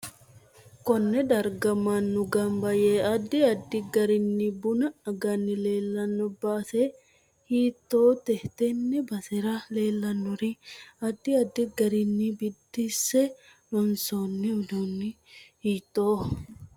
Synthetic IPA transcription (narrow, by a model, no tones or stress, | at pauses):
kɔnːɛd̪ɐɾɡɐmɐnːʊɡɐmbɐjeːɐd̪ːɪɐd̪ːɪɡɐɾɪnːɪbʊnɐɐɡɐnːɪle̞ːlːɐnːɔbaːse | hiːt̪ːo̞ːt̪ɛht̪ɛnːɛbɐsɛɾɐle̞ːlːɐnːʊɾɪɐd̪ːɪɐd̪ːɪɡɐɾɪnːibɪd̪ːɪsɛ | lɔnsoːnːɪɔd̪uːnːɪ | hiːt̪ːoː